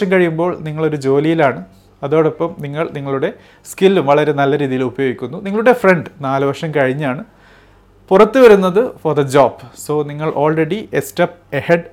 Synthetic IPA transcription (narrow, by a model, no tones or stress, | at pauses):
ʂɐmkɐɻijumbo̞ːɭniŋːɐɭo̞ɾud͡ʑo̞ːlijilaːɳɨ | ɐðo̞ːɽepːɐmniŋːɐɭniŋːɐɭuɽe̞ | skilːumʋɐɭɐɾe̞nɐlːɐɾiːðijilubɐjo̞ːɡikʲːunːuniŋɐɭuɽe̞freɳɖɨnaːlɨʋɐrʂɐmkɐɻiɲːaːɳɨ | purɐt̪ːɨʋɐɾunːɐðɨforðɐd͡ʑoːb̥so̞ːniŋːɐɭʔo̞ːlreɽiestɐp̚ɐheɖ